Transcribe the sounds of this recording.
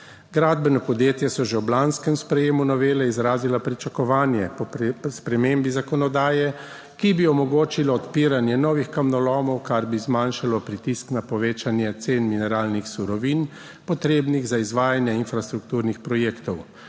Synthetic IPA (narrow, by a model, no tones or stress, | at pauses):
ɡɾaːd̪bɛnɔpɔd̪jeːt̪jɛsɔʒɛwblanskɛmspɾɛjeːmunɔʋeːlɛizɾaːzilapɾit͡ʃakɔʋaːnjɛpɔspɾɛmeːmbizakɔnɔd̪aːjɛ | kibiɔmɔɡoːt͡ʃilɔɔt̪piːɾanjɛnɔːʋixkamnɔlɔːmɔwkaɾbizmanʃalɔpɾit̪isknapɔʋeːt͡ʃanjɛt̪seːnminɛɾaːlnixsuɾɔʋiːn | pɔt̪ɾeːbniɣzaizʋaːjanjɛinfɾast̪ɾukt̪uːɾnixpɾɔjeːkt̪ɔw